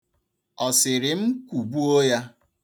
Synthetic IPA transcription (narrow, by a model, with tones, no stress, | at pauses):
ɔ˨sɪ˨ɾɪ˨m̩˦kʷu˨bu˦o˦ja˦